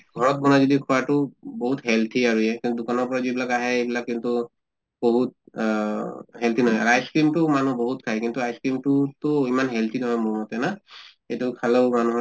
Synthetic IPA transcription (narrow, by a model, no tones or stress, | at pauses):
ɡʱɔɹɔt̚bɔnazɔdikʰuwatʊboɦutɦɛlt̪ʰiaɹuɛkĩntudʊkanɔɹpɔɹazibilakaɦɛebilakːintu | boɦut̚ | ɦɛlt̪ʰinɔɦɔja̰ɹajskɹimtʊmanubɔɦutkʰaɦjkintuajskɹimtutʊimanɦɛlt̪ʰinɔɦɔjmɔɹmɔtɛna | ejtukʰalomanuɦɔ